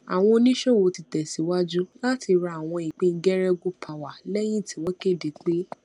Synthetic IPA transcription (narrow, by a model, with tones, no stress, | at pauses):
a̰˨w̃ɔ̃˧o˧nĩ˦ʃo˦˨wo˨˧ti˧tɛ˨si˨˦wa˦d͡ʒu˦la˦ti˧ɾa˧a˨w̃ɔ̃˧i˨k͡pẽ˦n̩˦ɡɛ˦ɾɛ˦ɡu˦pʰa˨wa˨lɛ˦j̃ĩ˦˨ti˨˦wɔ̃˦ke˦˨de˨k͡pe˦